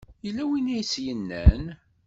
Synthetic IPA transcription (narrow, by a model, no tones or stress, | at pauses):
jəlːæwinæjt͡sːjənːæn